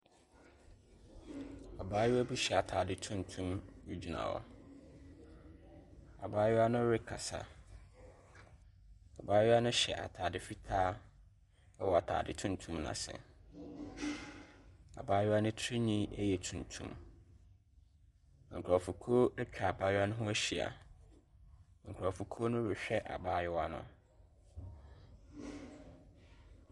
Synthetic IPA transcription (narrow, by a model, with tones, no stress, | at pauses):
a˨baː˦jʊ˦æ˦bi˦ɕɛ˨a˨tʰaː˨dɪ˨tʰũ˦ntʰũ˦mu˦d͡ʑᶣi˨nã̰˨wɔ̰˦ | a˨baː˦jɪ˦a˦nʊ̃˦ɾɪ˦kʰa̰˨sa̰˦ | a˨baː˦jɪ˦a˦nʊ̃˦ɕɛ̰˨ʔa̰˨tʰaː˨dɪ˨fi˦tʰaː˦ | ɛ˦wɔ˨a˨tʰa̰ː˨dɪ˨tʰũ˦n˦tʰũ˦mnã̰˨sɛ̰̃˨ | a̰˨baː˦jʊ˦a˦nʊ̃˦tʰi˦ɲĩ˦æ̰˦jɛ˨tʰũ˨ntʰũ˦m | ŋ̩˨kʰa˨fu˨kʰoː˦æ˦t͡ɕᶣa˨a˨baː˦jʊ˦a˦nʊ̃˦ɦʊ̃˦æ˦ɕi˨a̰˨ | ŋ̩˨kʰɾa˨fu˨kʰo˦nʊ̃˦ɾɪ˨ɕᶣɛ˦ʔa̰˨baː˦jʊ˦a˦nʊ̰̃˦